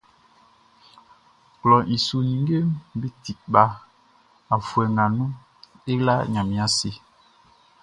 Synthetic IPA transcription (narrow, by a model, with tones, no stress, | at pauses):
klɔ˨ʔi˨su˨nĩ˨ŋ˦ɡe˦m˦bi˦ti˨k̚ɓa˦ | a˨fwɛ˨ŋɡa˨nũ˦ | e˦la˦ɲa˨mĩ˨a˦se˦